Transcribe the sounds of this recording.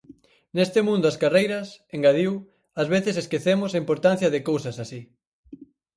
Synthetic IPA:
nest̪ɪmũnd̪ʊaskarejɾɐseŋɡaðiw | azβeθɪseskeθemʊsaimpoɾt̪an̟θjɐðɪkowsɐsasi

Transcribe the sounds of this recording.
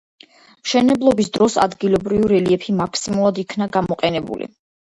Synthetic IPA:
mʃɛnɛblˠɔbisd̪ɾɔsa̰d̪ɡilˠɔbɾivɾɛliɛpʰimakʰsimulˠad̪ikʰnaɡamɔqʼɛnɛbṵlḭ

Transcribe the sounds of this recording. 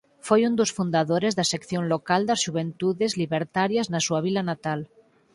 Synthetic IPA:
fojund̪osfund̪aðoɾezðasekθjonlokald̪azʒuβ̞ent̪uðezliβeɾt̪aɾjaznasuaβ̞ilanat̪al

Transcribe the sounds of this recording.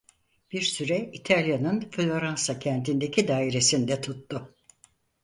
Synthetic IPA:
b̥iɾsyɾɛit̪ʰalʲjanɯnflʲo̞ɾansacʰɛnt̪ʰind̪ecʰid̪aːiɾesind̪ɛt̪ʰut̪ːʊ

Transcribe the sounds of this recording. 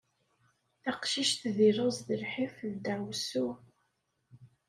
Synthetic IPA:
θæqʃiʃt̪ðiɾozðəlħifðd̪æwsu

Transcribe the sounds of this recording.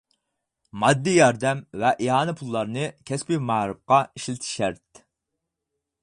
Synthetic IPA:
mɑd̪ːijɑɾd̪ɛmvɛʔiɑːnɨpʰulˠːɑɾnɨkʲʰɛspimæhɾɨp̚qɑiʃlɪt̪ʰɪ̥ʃæɾt̪̚

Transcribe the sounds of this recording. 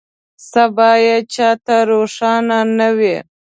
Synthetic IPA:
sabɑːjat͡ʃɑːt̪aɾoʂɑnanawi

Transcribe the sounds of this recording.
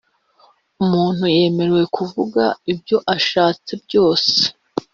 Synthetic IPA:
umuːn̥huje̞ːme̞ɾewe̞kʰuvuɡa̰ibjo̞ʔaʃaːt͡se̞bjo̞ːse̥

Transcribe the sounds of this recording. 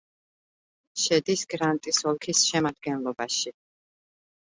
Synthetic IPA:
ʃɛd̪isɡ̥ɾant̪ʼisɔlˠkʰisʃɛmad̪̚ɡɛnlˠɔbaʃi

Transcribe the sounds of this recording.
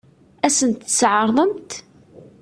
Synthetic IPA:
æsənt̪əsʕɑɾˤðˤəmt̪

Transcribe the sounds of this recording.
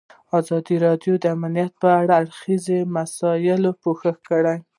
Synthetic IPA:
ɑzɑd̪iɾɑd̪jod̪əamalijat̪̚pəaɽaːɽxizemasɑjɪlopoxəxkəɽaj

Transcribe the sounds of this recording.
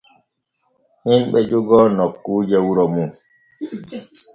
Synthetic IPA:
himɓɛd͡ʒuɡɔnɔkːuːd͡ʒɛwuɾɔmum

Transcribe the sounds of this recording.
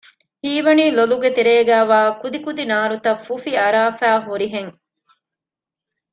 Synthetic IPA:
hiːʋɐniːloluɡet̪eɾeːɡæːʋaːkud̪ikud̪inaːɾut̪ɐfːufiɐɾaːfæːɦuɾiɦeŋ

